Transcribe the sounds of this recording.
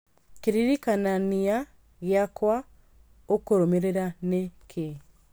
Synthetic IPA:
keɾiɾikanania | ɣjakwa | okoɾomeɾeɾanekʰe

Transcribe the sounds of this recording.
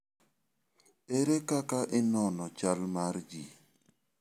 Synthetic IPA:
eɾekakaʔɪnɔnɔt͡ʃalmaɾd͡ʒi

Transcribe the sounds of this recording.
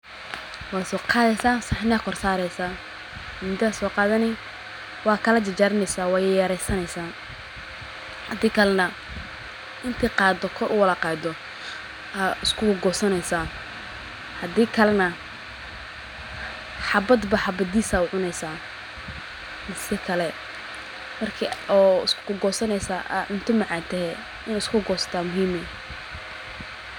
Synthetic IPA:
wɑːsɔːqɑːðɛjsaːsaħɪnakʰɔrsaːɾɛjsaː | mʊd̪aːsɔːqɑːðɐnɪ | wɑːkʰɐlɐt͡ʃɐt͡ʃaːɾɪnɛjsaːwɑːjjɐɾɛjsɐnɛjsaː | hɐd̪iːkʰɐlɛnɐ | ʔɪnt̪ʰɪqɑːd̪ɔkʰɔɾʔʊwɐlɐqɑːd̪ɔ | aɪskʰʊɡɔːsɐnɛjsaː | hɐd̪iːkʰɐlɛnɐ | ħɑbɐd̪bɐħɑbɐd̪iːsaːʊʕʊnɛjsaː | mɪsɛkʰɐlɛ | mɐrkʰiɔːɪskʰʊ̥kʊɡɔːsɐnɛjsaːʔa̰ʕʊnt̪ʰɐmɑʕɑːnt̪ʰɛɦɛ | ɪnɪskʰʊɡɔːsɐ̥t̪ʰaːmʊɦiːmɛ

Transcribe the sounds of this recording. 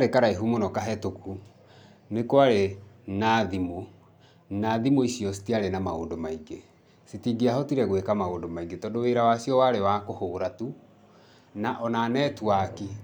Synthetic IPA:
ɾekaɾaiɦumonɔkaɦɛtoku | nekoaɾe | naðimo | naðimoisjɔsi̥tiaɾenamao̰ːndomaiŋɡe | sitiɡeaɦɔtiɾɛɣwekamaoːndomaiŋɡetɔdoweɾawasiɔwaɾewakohoːɾatu | naʔɔnaːnɛtwaki

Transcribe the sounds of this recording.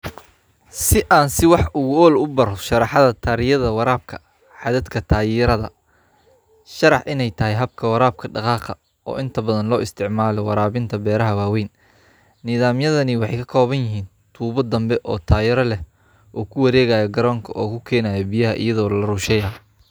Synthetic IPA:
sɪʔaːnsɪwɑħʊɣʊɔːlʊbɐɾɔʃɑɾɑħɑðɐt̪ʰɐɾɪjɐðɐwɑɾaːb̚kʰɐ̥ | ħɑðɐd̪kʰɐt̪ʰaːjɪɾɐðɐ̰ | ʃɑɾɑħʔɪnɛjt̪ʰɐɦɛjɦɐb̚kʰɐwɑɾaːb̚kʰɐɖɑqɑːqɐ | ɔ̰ːʔɪnt̪ʰɐbɐðɐnlɔːʔɪst̪ʰɪʕmaːlɔwɑɾaːβɪnt̪ʰɐbɛːɾɐɦɐwaːwɛjn | nɪðaːmjɐðɐnɪwɑħḛjkʰɐkʰɔːβɐnjɪɦiːn | t̪ʰuːβɐd̪ɐmbɛʔɔːt̪ʰaːjɪɾɐlɛ | ʔɔːkʰʊwɑɾɛːɣaːjɐɡɐɾɔːŋkʰɐʔɔːkʰʊkʰɛːnaːjɔbijɐɦɐʔḭjɐðɔːlɐruːʃɛjɐː

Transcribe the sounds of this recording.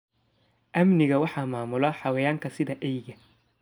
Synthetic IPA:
ʔɐmnɪɣɐwɑħɑːmaːmʊlɐħɑwɛjaːŋkʰɐsɪðɐʔɛjɣɐ

